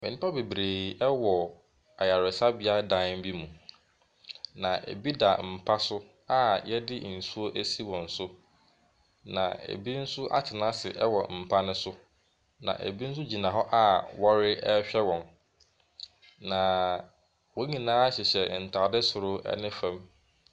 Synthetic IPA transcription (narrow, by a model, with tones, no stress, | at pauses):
mɪ̃˨nɪ̃˦pʰa˦be˨bɾeː˨ɛ˦wɔ˨ | a˨ja˨ɾɪ˨sa˦bɪ˦a˦dã˨˦n˦m̩˦bi˦mũ˨ | nã˨ʔḛ˨bi˦da˨m̩˨pʰa˦sʊ˦ | a˦jɛ˦dɪ˦n̩˨su˦o˦ʔæ˦si˦wɔ̃˨n̩˨sʊ˦ | nã˨ḛ˨bi˦n̩˦sʊ˦ʔa̰˦t͡ɕʰɪ˨nã˦sɪ˨ʔɛ˦wɔ˨m̩˨pʰa˦nʊ̃˦sʊ˦ | nã̰˨ʔḛ˨bi˦n̩˦s̬ʊ˦d͡ʑi˨nã˨ɦɔ˦ʔa˦wɔ˦ɾɪ˦ɛ˦ɕᶣɛ˦wɔ̃˨n | nã˨ | wɔ̃˨˦ɲĩ˨nãː˦a˦ɕɪ˨ɕɛ˨n̩˨tʰa˨dɛ˦sʊ˨ɾʊ˦ɛ̰˦nɪ̃˦fã˦m